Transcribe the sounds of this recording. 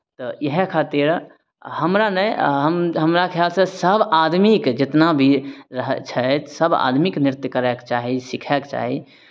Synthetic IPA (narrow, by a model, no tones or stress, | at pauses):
t̪ɔjəɦkʰaːt̪ɪɾ | həmɾanəɦəmɦəmɾakʰjaːlsə̃səbaːd̪mikd͡ʒɪt̪nabʱiɾəɦt͡ʃʰəsəba̰ːd̪ʱmiknɪɾɪt̪jkəɾɛkt͡ʃaːɦisɪkʰɛkt͡ʃa̰ːɦi